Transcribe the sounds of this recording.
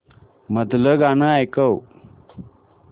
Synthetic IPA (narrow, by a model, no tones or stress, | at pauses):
məd̪ləɡanəajkəw